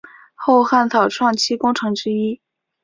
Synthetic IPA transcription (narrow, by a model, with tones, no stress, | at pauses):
xo˥˧ʊxa˥˩nt̪ʰɑ˨˩ʊʈ͡ʂʰwɑ˥˩ŋt͡ɕʰi˥kʊ˥ŋʈ͡ʂʰɤ˧˥ŋʈ͡ʂɻ̩˥i˥